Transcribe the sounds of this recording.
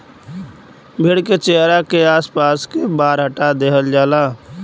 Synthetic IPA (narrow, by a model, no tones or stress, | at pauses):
bʱɪɽket͡ʃeːɦɾakeaːspaːskebaːɾɦəʈad̪eːɦəld͡ʒaːlaː